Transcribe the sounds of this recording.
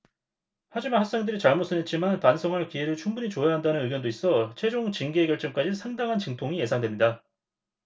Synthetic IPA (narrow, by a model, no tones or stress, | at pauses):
had͡ʑimanhak̚s͈e̞ŋdɯɾit͡ɕaɭmos͈ʰɯnɦet̚t͡ɕ͈imanpansʰʌŋɦaɭkieɾɯɭt͡ɕʰuŋmbuɲit͡ɕojaɦandanɯnɯɡjʌndois͈ʌt͡ɕʰwe̞d͡ʑoŋt͡ɕiŋɡieɡjʌɭt͡ɕ͈ʌmk͈ad͡ʑinsʰaŋdaŋɦant͡ɕɯŋtʰoŋije̞sʰaŋdwe̞mɲida